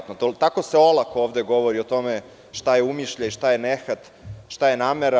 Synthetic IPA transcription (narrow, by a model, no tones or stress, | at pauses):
t̪not̪ot̪ako̞se̞o̞lakooːʋd̪e̞ɡo̞ʋo̞ɾiot̪o̞me | ʃt̪ajeumiʃʎaiʃt̪ajenexat̪ | ʃt̪ajenaːmeɾa